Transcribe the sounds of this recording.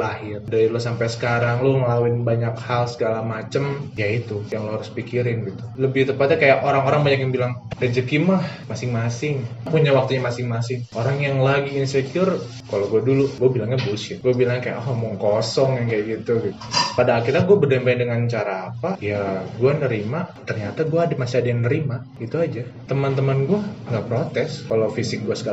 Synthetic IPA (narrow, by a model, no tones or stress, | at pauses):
lahɪrdaɾilusampajsə̥kaɾaŋloŋəlawɪnbaɲakhalsəɡalamat͡ʃəmjait̪ujaŋluhaɾʊspikiɾɪnɡit̪uləbɪht̪əpat̪jakajaʔoɾaŋoɾaŋbaɲakjaŋbilaŋdəd͡ʒəkimahmasɪŋmasɪŋpuɲawak̚t̪uɲamasɪŋmasɪŋoɾaŋjaŋlaɡiːnsəkʊr | kaloɡuaduluɡuabilaŋɲabusɪɡuabilaŋkaja̰ʔamɔŋkosɔŋjaŋkajaʔɡit̪uɡit̪padaːkiɾaɡuabədampaɪndəŋant͡ʃaɾaːpajaɡuanəɾimat̪ərɲat̪aɡuaːdamasiadajaŋnəɾima | ɡit̪uad͡ʒat̪əmant̪əmanɡuaŋɡapɾot̪ɛskalawfisɪk̚ɡuasə̥kal